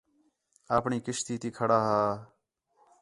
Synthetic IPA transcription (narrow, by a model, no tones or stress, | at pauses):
aːpɳiːkɪʃt̪iːt̪iːkʰəɽaːɦaː